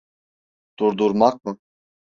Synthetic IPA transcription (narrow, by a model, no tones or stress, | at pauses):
d̪̥uɾd̪uɾmak̚mɯ